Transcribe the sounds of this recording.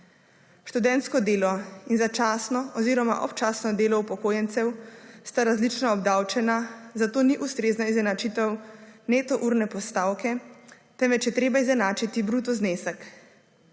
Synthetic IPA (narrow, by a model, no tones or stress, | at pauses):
ʃt̪ud̪ɛnt̪skɔd̪eːlɔinzat͡ʃaːsnɔɔziːɾɔma̰ʔɔ̰pt͡ʃaːsnɔd̪eːlɔupɔkoːjɛnt̪sɛwst̪aɾazlit͡ʃnɔɔbd̪aːwt͡ʃɛnazat̪oːniʔust̪ɾeːznaizɛnat͡ʃit̪ɛwneːt̪ɔʔuːɾnɛpɔst̪aːwkɛ | t̪ɛmʋɛt͡ʃjɛt̪ɾeːbaizɛnaːt͡ʃit̪ibɾuːt̪ɔzneːsɛk